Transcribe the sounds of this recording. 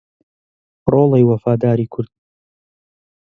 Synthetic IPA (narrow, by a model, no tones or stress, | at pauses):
ɾoːlˠejwɐfaːd̪aːɾiːkʰʊɾd̪̥̚